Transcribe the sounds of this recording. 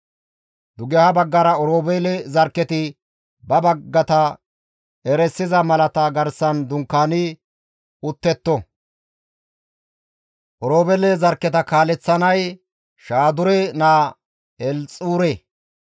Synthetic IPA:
d̪ʊɡɛhɐbɐɡːɐɾɐɔɾoːbɛlɛzɐɾkːɛt̪ɪ | bɐbɐɡːɐt̪ɐ | ɛɾɛsːɪzɐmɐlɐt̪ɐɡɐɾsɐnd̪ʊŋkːaːnɪ | ʊt̪ːɛt̪ːɔ | ʔɔɾoːbɛlɛzɐɾkːɛt̪ɐkaːlɛt͡sːɐnɐj | ʃaːd̪ʊɾɛnaː | ɛlt͡sʼuːɾeː

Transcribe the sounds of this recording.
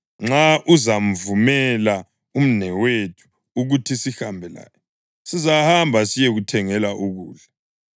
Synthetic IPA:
ŋ͡ǁaʔuzam̩vumɛla | um̩nɛwetʰu̥ː | ɣutʰisihambʱɛla̰ːjɔ | sizahambʱasijɛɣutʰɛŋɛlaʔuɣṵːɮa

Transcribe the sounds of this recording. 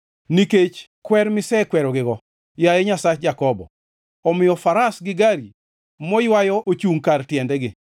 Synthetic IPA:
niket͡ʃ | kwɛɾmɪsɛkwɛɾɔɡɪɡɔ | jajeɲasat͡ʃd͡ʒakɔbɔ̰ | ɔmɪjɔfaɾasɡɪɡaɾi | mɔjwajɔʔot͡ʃuŋkartjɛndɛɡɪ

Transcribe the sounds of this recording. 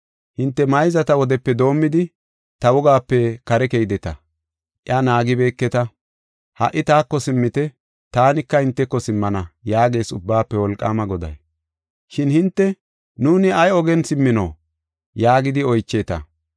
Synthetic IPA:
hɪnt̪ːɛmɐjzɐt̪ɐwɔd̪ɛpːɛd̪o̞ːmːɪd̪ɪ | t̪ɐwɔɡaːpːɛkɐɾɛkejd̪ɛt̪ɐ | ʔɪ̰anaːɡɪbe̞ːkːɛt̪ɐ | hɐ̰ʔːɪt̪aːkːɔsɪmːɪt̪ɛ | t̪aːnɪkːɐhɪnt̪ːɛkːɔsɪmːɐnɐjaːɡe̞ːsʊbːaːpːɛwɔlkʼːa̰ːmɐɡɔd̪ɐ̰j | ʃɪnhɪnt̪ːɛ | nuːnɪɐjɔɡɛnsɪmːɪno̰ː | jaːɡɪd̪ɪɔjt͡ʃːeːt̪ɐ̰

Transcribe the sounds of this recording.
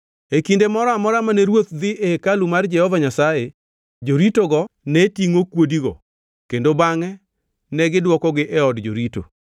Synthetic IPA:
ekindemɔɾɔamɔɾamanɛɾwot̪d̪ɪʔekalumard͡ʒɛhɔvaɲasaje | d͡ʒoɾitoɡɔnɛtiŋokwodiɡɔ̰ | kendobaŋɛ | nɛɡɪdwɔkɔɡɪʔɛɔdd͡ʒo̰ɾito̰

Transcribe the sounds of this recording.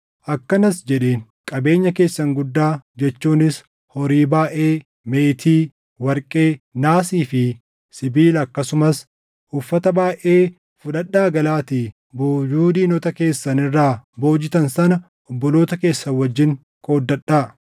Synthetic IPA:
ʔɐkːɐnɐsd͡ʒɛᶑeːŋ | kʼɐbe̞ːɲːɐke̞ːsːɐŋɡʊd̪ːaːd͡ʒɛt͡ʃːuːnɪs | hɔɾiːbaːʔe̞ː | meːt̪ʰiː | wɐɾkʼe̞ːnaːsiːfɪ | sɪbiːlɐkːɐsʊmɐs | ʔʊfːɐt̪ɐbaːʔe̞ː | fʊᶑɐɗːaːɡɐlaːt̪i | boːjuːd̪iːnɔt̪ɐke̞ːsːɐnɪrːaːbo̞ːd͡ʒɪt̪ɐnsɐnɐ | ɔbːɔloːt̪ɐke̞ːsːɐwɐd͡ʒːɪŋ | kʰʼo̞ːd̪ːɐᶑːaː

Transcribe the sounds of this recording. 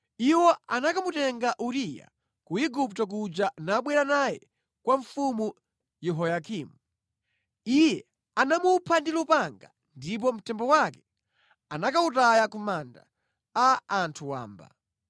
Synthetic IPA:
iwɔanakamutɛŋɡaʔuɾija̰ | kuiɡup̚tɔk̬ud͡ʒanaɓwɛɾanajɛ̰ | kwaɱfumu | jɛɦɔjakiːmu | ijɛ | anamupʰandilupaŋɡa | ndip̬ɔm̩tɛmbɔwakɛ̥ | anakautajakumanda̰ | aːntʰuwa̰ːmba̰

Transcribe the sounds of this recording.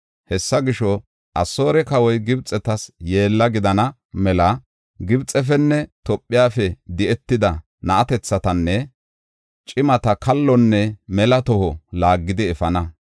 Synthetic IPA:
hɛsːɐɡɪʃɔ | ʔɐsːo̞ːɾɛkɐwɔjɡɪbt͡sʼɛt̪ɐsje̞ːlːɐɡɪd̪ɐnɐ | mɛlɐ | ɡɪbt͡sʼɛfɛnːɛt̪ɔpʼːɪjaːfɛd̪ɪɛt̪ːɪd̪ɐ | nɐʔɐt̪ɛt͡sːɐt̪ɐnːɛ | t͡ʃʼɪmɐt̪ɐkɐlːɔnːɛmɛlɐt̪ɔhɔlaːɡːɪd̪ɪɛfɐnɐ

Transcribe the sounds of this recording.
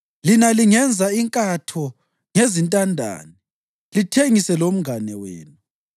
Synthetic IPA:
linaliŋɛnd͡zʱaiŋkʼatʰɔ | ŋezintʼandʱa̰ːni | litʰeŋisɛlom̩ɡʱanɛwḛːnu

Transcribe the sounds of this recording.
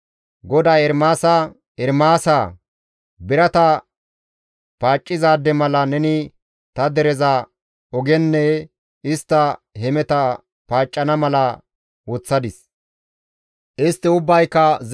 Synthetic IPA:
ɡɔd̪aːɛɾmaːsɐ | ɛɾmaːsa | bɪɾɐt̪ɐ | paːt͡ʃʼːɪzaːd̪ɛmɐlɐnɛnɪ | t̪ɐd̪ɛɾɛza | ɔɡɛnːɛ | ɪst̪ːɐhɛmɛt̪ɐ | paːt͡ʃʼːɐnɐmɐlɐ | wɔt͡sːɐd̪ɪs | ʔɪst̪ːɪʊbːɐjkːɐz

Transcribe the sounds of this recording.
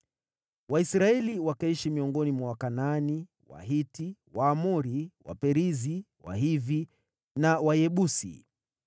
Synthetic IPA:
waisɾaɛliwakaiʃimiɔŋɡɔnimwawakanani | wa̰ɦitiwaːmuɾiwa̰pɛɾizi | wa̰ɦivi | nawajɛɓusḭ

